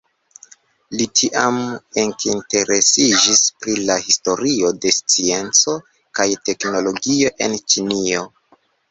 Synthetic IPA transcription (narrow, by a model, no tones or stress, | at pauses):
litʰiʔameŋkinte̞ɾe̞sid͡ʒispɾilahisto̞ɾio̞de̞st͡sie̞nt͡so̞ | kajte̞kno̞lo̞ɡio̞ʔe̞nt͡ʃinio̞